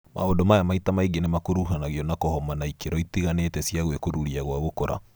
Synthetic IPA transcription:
mʔa̰odomajamaitamaiɡenemakoɾuɦanaɣjɔnakohɔmanaikeɾɔitiɣanetɛsiaɣwekoɾuɾiaɣwaɣokoɾa̰

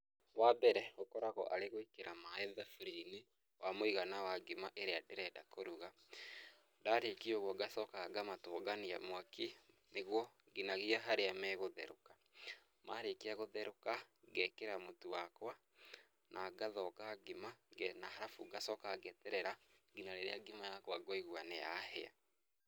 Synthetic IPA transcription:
wabɛɾɛokɔɾaɣɔ̰ʔaɾeɣoikeɾamaɛðafuɾini | wamoiɣanawaɡimaʔeɾeadeɾɛdakoɾuɣa | daɾekioɣwɔɡasɔkaɡamatoɡania̰mwaki | neɣwɔ | ɡinaɣiaɦaɾeamɛːɣoðɛɾoka | maɾekiaɣoðɛɾokaɡɛkeɾamotuwakwa | nʔaɡaðɔkaɡimanahaɾafṵɡasɔkaɡɛtɛɾɛɾaɡinaɾeɾḛaɡimajakwaɡoiɣwaneja̰hɛ̰a̰

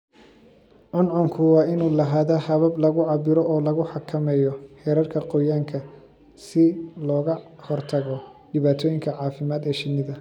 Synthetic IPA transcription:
ʕɔnʕɔŋkʰʊwɑːɪnuːlɐɦaːðahɐβɐblɐɣʊʕɑbɪɾɔʔɔːlɐɣʊħɑkʰɐmɛjɔhɛːɾɐrkʰɐqɔjaːŋkʰɐ | sɪlɔːɣɐhɔrt̪ʰɐɣɔɖɪβaːt̪ʰɔːjɪŋkʰɐʕɑːfɪmaːd̪ɛːʃɪnɪðɐ

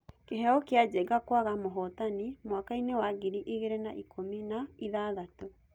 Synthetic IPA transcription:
keɦɛɔkead͡ʑɛɡakwaɣamoɦɔtanimwakainewaɣiɾiʔiɣeɾena̰ʔikʰominaiðaːðato

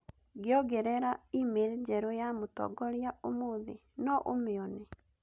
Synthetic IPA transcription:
ɡɪɔɡɛɾɛɾaimeɾed͡ʒɛɾojamotɔ̰ɡɔɾjaomoðḛ | nɔʔo̰meɔne

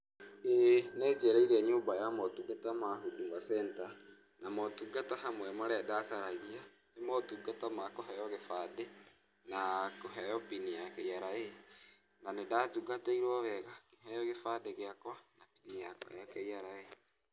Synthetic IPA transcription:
enɛːd͡ʒɛɾaiɾɛɲoːmbajamɔtuɡatamaɦuduŋasɛnta | namɔtuɡataɦamwɛmaɾɛadasaɾaɣia | emɔtuɡatamakoɦɛjɔɣefade | nakoɦɛjɔpinijakɛjaɾae | nanedaːtuɡataiɾwɔβɛɣakeɦɛjɔɣefaːdeɣeakwanapinijakwa̰jakɛjaɾae

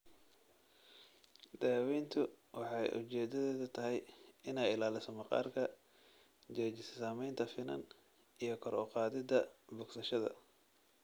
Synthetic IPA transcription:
d̪̥aːwɛjnt̪ʰʊwɑħɑjʔʊ̰t͡ʃɛːd̪ɐðɛːðɐt̪ʰɐɦɛjɪnɛjɪlaːlɪsɔmɑqɑ̰ːrkʰɐ | d͡ʒɛːd͡ʒɪssaːmɛjnt̪ʰɐfɪnɐ̰n | ʔijɞkʰɔɾɔqɑːðɪd̪ɐbʊɡsɐʃɐðɐ̰

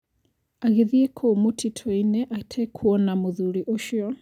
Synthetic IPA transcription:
aɣeðiekʰɔmotʰitʰɔinɛʔatʰɛkʰuɔnamoðuɾiʔoʃjɔ

